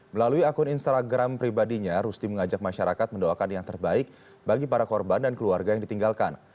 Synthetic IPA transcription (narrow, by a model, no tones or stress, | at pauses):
məlaluiakʊninst̪aɡɾampɾibadiɲaɾust̪iməŋad͡ʒak̚maʃaɾakat̪̚məndoakanjaŋt̪ərbaɪk̚ | baɡipaɾakɔrbandankəluarɡajaŋdit̪iŋɡalkan